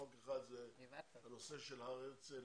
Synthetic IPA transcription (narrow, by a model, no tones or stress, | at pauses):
okeχad̪zevanoseʃelhaʁet͡se